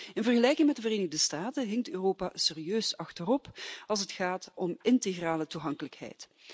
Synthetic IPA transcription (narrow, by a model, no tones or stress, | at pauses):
ɪnvərɣəlɛjkɪŋmɛtdəvəreːnɪɣdəstaːtənɦɪŋtøːroːpaseːrijøːsɑxtərɔpɑlˠs̬ətxaːtɔmɪnteɣraːlətuɦɑŋkələkɦɛ̰jt